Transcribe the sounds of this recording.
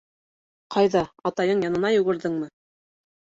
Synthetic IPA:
qʰɑjðɑɑt̪ɑjɤɴjɑnɤ̆nɑjŭɣɘ̆ɾðɘŋmɤ

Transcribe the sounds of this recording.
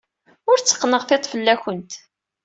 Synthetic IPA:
ʊɾt͡sːə̥qːnəʁθet̪ˤfəlːæçənt̪

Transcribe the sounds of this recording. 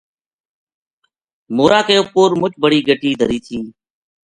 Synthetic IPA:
moːɾaːkəjoːpoːɾmʊt͡ʃbəɽ̤iːɡʱəʈiːd̪ʱəɾiːt̪ʰĩː

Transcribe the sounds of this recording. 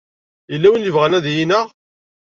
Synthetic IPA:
əlːæwənjəvʁænæðjinəʁ

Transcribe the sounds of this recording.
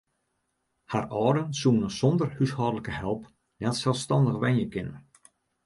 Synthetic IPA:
harɔːdənsuːənəz̥ɔndərhyshɔːdələkəhɛlˠp | nɛtsɛlˠfstɑndəxʋɛnjəkɪnə

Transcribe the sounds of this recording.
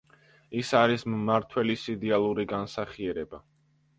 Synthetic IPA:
isaɾismːaɾt̪ʰwɛlisid̪ɛalˠuɾiɡansaχiɛɾɛba

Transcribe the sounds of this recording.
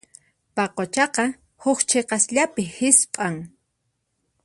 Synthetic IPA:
paqot͡ʃɑqɑ | hʊkt͡ʃʰeqɑsʎapɪhɪspʼaŋ

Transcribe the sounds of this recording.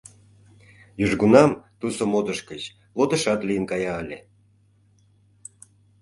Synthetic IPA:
jyʒɡunɑmt̪usomod̪ə̆ʃkət͡ɕ | lod̪ə̆ʃɑt̪lijənkɑjɑːlʲe

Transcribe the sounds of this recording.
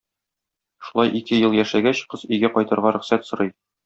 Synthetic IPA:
ʃu̥lˠɑjʔikɘjɤlˠjæʃæɡæɕqɤzɵjɡæqɒjt̪ɤ̆ɾʁɑɾɵ̆χsæt̪sŏɾɤj

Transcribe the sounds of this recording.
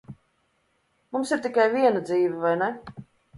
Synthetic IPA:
mumsiɾt̪ikajviɛnad̪ziːvɛvajnɛ

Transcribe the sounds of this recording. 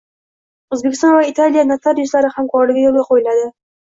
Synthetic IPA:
ɵzbekʲʰɪst̪ɒnvait̪ʰalijanat̪ʰaɾjɪʃlaɾɪhamqʰɒɾlɪɡʲajolˠɡʲaqʰojɪlad̪ɪ

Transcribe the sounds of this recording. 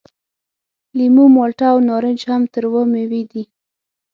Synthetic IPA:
limumɑlʈawnɑɾənd͡ʒhamt̪əɾwəmewed̪i

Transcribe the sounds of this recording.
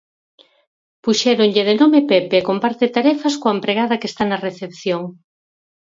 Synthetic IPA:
puʃɛɾoɲʎɪðenomepɛpeːkompaɾt̪et̪aɾɛfɐskoaɐempɾeɣ̞að̞ɐkest̪anɐreθepθjoŋ

